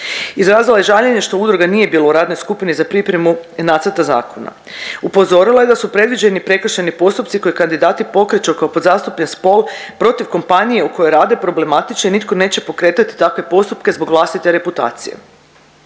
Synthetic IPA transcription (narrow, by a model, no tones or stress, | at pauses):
izɾaːzilˠajeʒaʎeɲe̞ʃt̪o̞ud̪ɾuɡanije̞biːlouɾaːd̪no̞jskupinizapɾipɾe̞munaːt̪əɾt̪aza̰ːkʰo̞na̰ | upo̞zo̞ɾilaje̞d̪asupɾe̞d̪ʋid͡ʑenipɾe̞kr̩ʃenipo̞st̪upt̪siko̞jekand̪id̪aːt̪ipo̞kɾet͡ʃookaopod̪zaːst̪upʎenspo̞lpɾo̞t̪iʋko̞mpanije̞uko̞jo̞jɾaːd̪e̞pɾo̞ble̞mat̪it͡ʃnoinit̪kone̞ːt͡ɕe̞po̞kɾe̞ːt̪at̪i̥t̪akʋe̞po̞st̪upke̞zbo̞ɡʋlˠast̪it̪e̞ɾe̞put̪a̰ːt̪sije̞̰